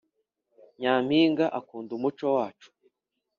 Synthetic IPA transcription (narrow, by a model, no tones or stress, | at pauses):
ɲaːmiːŋɡaʔakuːndumut͡ʃo̞waːt͡ʃu̥